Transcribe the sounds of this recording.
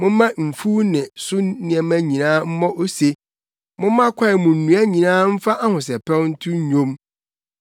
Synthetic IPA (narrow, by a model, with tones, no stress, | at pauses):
mʊ̃˦mã˦m̩˨fu˦nɪ̃˨sʊ˦nɪ̃˨ɛ˨mæ̃˦ɲĩ˨nãː˦m̩˦mɔ̃˦ʔo˦se˨ | mʊ̃˦mã˦kʷʰa˦ɪ˨mʊ̃˨n̩˨nũ˨æ˦ɲĩ˨nãː˦m̩˦fa˦ʔa˦hʊ̃˨sɛ˨pʰɛ˦wn̩˦tʰʊ˦ɲ˦ɲõ˦m